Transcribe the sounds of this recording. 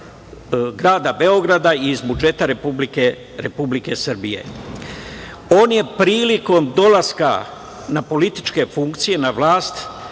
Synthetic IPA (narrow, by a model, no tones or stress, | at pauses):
ɡɾaːd̪abe̞o̞ɡɾad̪aizbud͡ʒe̞t̪aɾepublike | ɾepublike̞sr̩bije̞̰ | o̞ːnje̞pɾiːliko̞md̪o̞laska̰ | napo̞lit̪i̥t͡ʃke̞fuŋkt̪sije̞naʋlaːst̪